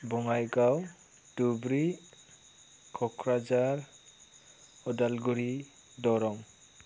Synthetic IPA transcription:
bɔŋajɡaw | dubɾi | kʰɔkʰɾad͡ʒaɾ | ɔdalɡuɾi | dɔɾɔŋ

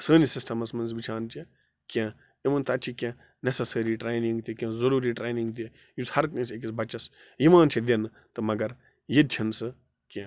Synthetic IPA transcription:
səːnisɪsʈɐmɐsmɐnzʋit͡ʃʰaːnt͡ʃʰe | kʲẽː | imɐnt̪ɐt͡ʃʰikʲẽ | nɐsɐsɐɾiʈɾeːnĩŋɡt̪ikʲẽːzɐɾuːɾiʈɾeːnĩŋɡt̪i | jushɐɾkə̃ːsek̬isbɐt͡ʃɐs | jimãːnt͡ʃʰid̪ʲenɨ | t̪ɨmɐɡɐɾ | jet͡ʃʰɐnsɨ | kʲẽ

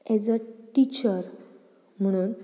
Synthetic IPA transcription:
ɛd͡zəʈit͡ɕəɾ | m̤əɽ̃uːn

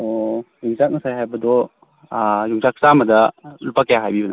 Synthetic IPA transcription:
ojuŋzak̚ŋɐsajɦajbɐdɔ | juŋzak̚samɐdɐlupakjaɦajbibɐna

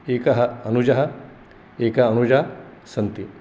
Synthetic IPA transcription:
eːkɐɦɐ̆ɐnud͡ʒɐɦɐ | eːkɐɐnud͡ʒaːsɐnt̪i

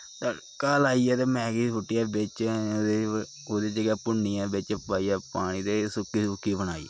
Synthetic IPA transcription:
t̪a | kaːlaːiːaːt̪eːmɛ̃ːɡiːsʊʈːijaːbɪt͡ʃ̪ːe | oːd̪eːd͡ʒeːɡaːpʊɳːijãːbɪt͡ʃpaːiaːpaːɽ̃iːd̪eːsʊkːiːsʊkːiːbənaːḭː

